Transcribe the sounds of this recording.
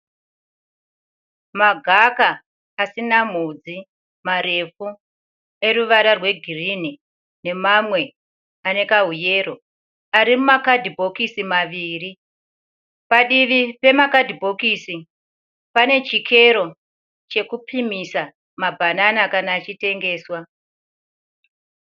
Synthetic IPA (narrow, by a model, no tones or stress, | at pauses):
maɡʱakaː | sinam̤ud͡zi | maɾe̞fu | e̞ruʋaɾarwe̞ɡʱirini | ne̞mamwe̞ | ane̞kaɦuje̞ro̞ | aɾimumakadʱibʱo̞kisimaʋiːri | paɗiʋipe̞makadʱibʱo̞kisi | pane̞t͡ʃikʰe̞ɾo̞ | t͡ʃe̞kupʰimisa | mabʱananakanaːt͡ʃite̞ŋɡe̞ːswa